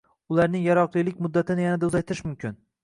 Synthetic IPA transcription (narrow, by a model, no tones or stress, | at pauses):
ʊlaɾnɪŋjaɾɒqlˠijlɪk̚ʲmʊd̪ːat̪ʰɪnɪjanad̪aʊzajt̪ʰɪɾɪʃmʊmkʲʰɪn